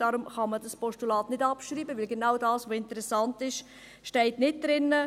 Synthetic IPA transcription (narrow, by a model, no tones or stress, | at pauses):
d̥ɑːɾʊmχɑmədɑspɔʃtulɑːtnɪdɑpʃɾiːbəʋɪlɡenawdɑːsʋoɪntəɾɛsɑntɪʃ | ʃtɛɪtnɪt̚d̥ɾɪnːə